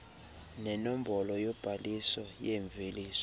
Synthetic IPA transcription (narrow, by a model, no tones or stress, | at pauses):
nɛnɔm̩bɔlɔjɔb̥ʱalisɔjeɱbvʱeliːsɔ